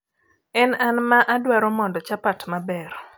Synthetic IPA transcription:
ɛnanmaʔadwaɾɔmɔndɔt͡ʃapatmabɛɾ

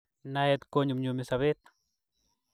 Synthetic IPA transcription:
najɛt̪koɲumɲumisaβɪt̪

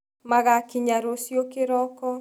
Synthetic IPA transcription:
maɣakiɲaɾosjokɪɾɔkɔ

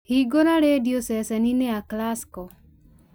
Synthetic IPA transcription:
hiɡonaɾediosɛsɛnineaklaskɔ

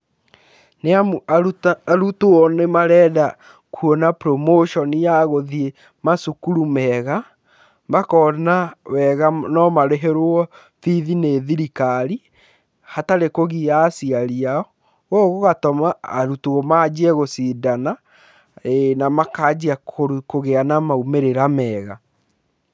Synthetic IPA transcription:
nea | aɾutoɔnemaɾɛːða | kuɔnapɾomoʃɔnijaɣoðie | masukuɾumɛɣa | mbakɔnawɛɣanɔmaɾeɦeɾwɔ | θiðineðiɾikaɾi | hataɾekoɣijasiaɾiaɔ | ɣɔɣoɣatɔmaːɾutuɣomad͡ʒɛɣosidana | enamakad͡ʑiakokoɣeanamaumeɾeɾamɛːɣa

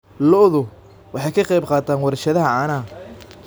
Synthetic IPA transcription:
lɔðʊ | wɑħɑjkʰɑqɛjbqɑːt̪ʰaːnwɑɾʃɐðɐɦɐʕɑːnaː

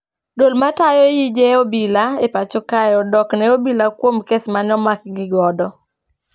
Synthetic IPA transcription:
dolmatajɔjid͡ʒɛobilaepat͡ʃokajɔdɔknɛobilakwomkesmanɔmak̚ɡɪɡɔdɔ

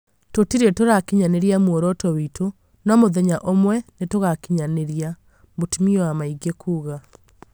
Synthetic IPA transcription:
totiɾetoɾakeɲaneɾjamwoɾɔtɔwitʰo | nɔmoðɛɲaʔomwɛnetoɣakiɲaneɾja | motimiɔamaiɡekʰuːɣa

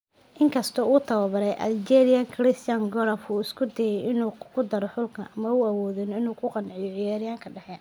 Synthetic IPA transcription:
ʔɪŋkʰɐst̪ʰɔuːt̪ʰɐwɐβɐɾɛjʔɐ̰ld͡ʒɛɾɪjɐŋkʰɾɪst̪ʰjɐŋɡɔɾɐfuːɪskʰʊd̪ɛjɛjɪnuːkʰʊd̪ɐɾɔħʊlkʰɐʔɐmɐuɐwɔːðɪnɔɪnuːkʰʊqɑnʕɪjɔʕɪjaːɾɪjaːŋkʰɐɖɐhɛːn

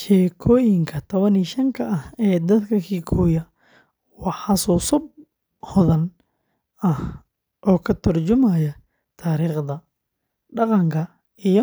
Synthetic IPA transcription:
ʃɛːkʰɔːjɪŋkʰɐt̪ʰɔβɐniːʃɐŋkʰɐʔɐhɛːd̪ɐd̪kʰɐkʰiːkʰuːjɐ | wɑħɑsuːsʊb̚ | hɔðɐn | ɐh | ʔɔːkʰɐt̪ʰɐrt͡ʃʊmajɐ | t̪ʰaːɾiːχd̪ɐ | ɖɑqɑŋkʰɐ | ijɔ

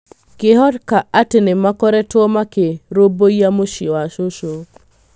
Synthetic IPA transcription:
kɪɦɔɾkaatɪnɪmakɔɾɛtʊɔmakeɾobojamoʃiwaʃoʃo

